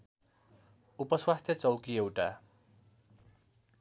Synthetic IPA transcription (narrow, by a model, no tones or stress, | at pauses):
upʌswast̪ʰjʌt͡sʌwkiewʈa